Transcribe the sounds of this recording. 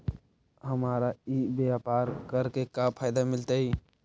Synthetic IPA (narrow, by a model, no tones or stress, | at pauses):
ɦəmaːɾaibapaːɾkəɾkekapʰaːjd̪amɪlt̪ai